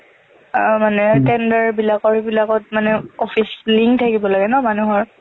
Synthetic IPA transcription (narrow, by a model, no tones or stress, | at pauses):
manɛtɛndaɹbilakɔɹibilakɔt̚manɛofʰisliŋtʰakibɔlaɡɛnɔmanuɦɔɹ